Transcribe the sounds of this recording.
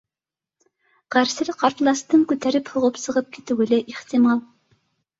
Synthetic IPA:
ʁ̥æɾsɪlqʰɑɾt̪lˠɑst̪ɤŋkʲʉt̪æɾɪphŏʁɤpsɤ̆ʁɤp̚kʲʰi̥t̪ywɘ̆lɪʔeht̪ɪmɑlˠ

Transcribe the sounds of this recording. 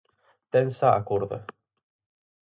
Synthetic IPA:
t̪ensaakuɾða̰

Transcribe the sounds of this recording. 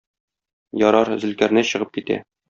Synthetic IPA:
jɒɾɑɾzɘ̆lkæɾnɘɕɤ̆ʁɤp̚kit̪æ̰

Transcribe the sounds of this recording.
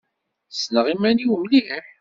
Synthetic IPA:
snəʁimæniwəmlihəħ

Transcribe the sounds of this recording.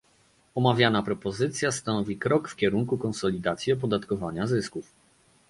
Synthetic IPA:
ɔmavʲjanapɾɔpɔzɘt̪sʲjast̪anɔvʲikɾɔkfkʲɛɾuŋkukɔnsɔlʲid̪at̪sʲjiɔp̬ɔd̪at̪kɔvaɲazɘskuf

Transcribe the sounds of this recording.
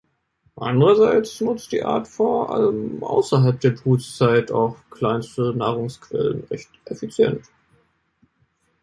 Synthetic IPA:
ʔa̰ndəʁɐzaɪt͡snʊt͡std̥ḭːʔa̰ːɐtfoɐʔa̰ləmʔa̰ʊsɐɦalp̚d̥eːɐbʁuːt͡st͡saɪta̰ʊxkl̥aɪnstənaːʁʊŋskv̥ɛ̰lənʁɛçtʔɛfit͡sjɛ̰nt

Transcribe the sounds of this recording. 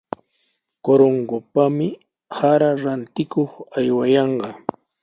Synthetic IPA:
koɾoŋɢopamɪ | haɾaɾant̪ɪkoχajwajɑɴɢɑ

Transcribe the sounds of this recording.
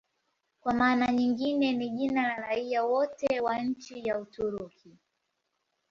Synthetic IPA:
kwamaːnaɲiŋɡinɛniʄinalaɾaiawɔtɛwaɲ̩t͡ʃijautuɾukʰi

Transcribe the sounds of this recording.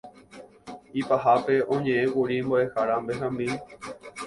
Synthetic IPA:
ipaɦape̞õɲẽʔẽʔuɾimboehaɾambeɦãmbi

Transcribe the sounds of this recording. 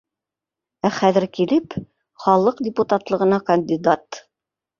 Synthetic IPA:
æχæðɘ̆ɾkilɘp | χɑlˠɤqd̪ʲɪput̪at̪lˠɤ̆ʁɤ̆nɑkɐnʲd̪ʲid̪at̪

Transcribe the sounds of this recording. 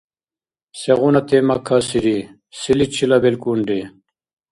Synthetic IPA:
seɣunɐt̪emɐkʰasiɾi | silit͡ɕʰilɐbelkuɳɖe

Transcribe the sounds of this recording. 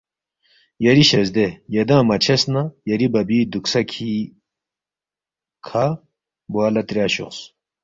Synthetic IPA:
jɐɾiɕɐzd̪ejɐd̪ãːmɐt͡ɕʰɐsnajɐɾibɐbiːd̪uksɐkʰi | kʰa | bwaːlɐt̪ɾjaːɕṵqs

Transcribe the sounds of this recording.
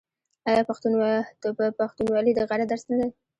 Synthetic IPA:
ajɑpaxt̪u | paxt̪unwɑlid̪əɣaɽad̪aɾsnad̪aj

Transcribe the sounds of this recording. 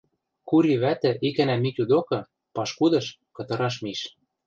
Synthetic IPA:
kuɾʲiβæt̪ɘ̆ʔikænæmik̪ʲud̪okɤ̆ | pɑʃkud̪ɤ̆ʃ | kɤ̆t̪ɤ̆ɾɑʃ̬miʃ

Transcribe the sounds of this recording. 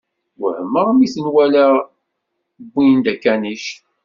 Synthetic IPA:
wəhəmːəʁmiθənwælæ | bːijənd̪ækːæniʃ

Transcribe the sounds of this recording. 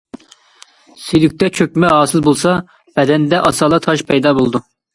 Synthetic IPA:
sylyk̚ʲt̪ɛt͡ʃʰøkʲmɛɦɑːsɨlˠbolˠsɑ | b̥ɛd̪ɛnd̪ɛʔɑsɑːlˠɑt̪ʰɑʃpʰɛjd̪ɑːbolˠd̪u

